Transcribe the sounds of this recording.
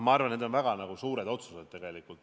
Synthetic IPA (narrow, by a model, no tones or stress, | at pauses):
mɑɑrvɑneːd̪onvæɡ̥ɑnɑɡ̥usuːɾe̞d̪o̞t̪sused̪̥̚t̪ːe̞ɡ̥e̞likˑult̪ːˑ